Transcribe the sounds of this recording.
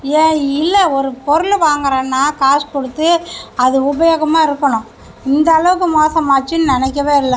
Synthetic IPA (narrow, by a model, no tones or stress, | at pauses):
eːɪlːɛɔɾɯpɔɾɯlʋaːŋɡɐɾẽːnːaːkaːskɔɽɯt̪ːɯɐðɯʊbɐjɐɣɐmaːɪɾɯkːɐɳʊ̃ | ɪnd̪ɐːɭɐʋɯkːɯmoːsɐ̃maːt͡ʃːɯnnɪnɛk̬ːɐʋeːɪlːɛ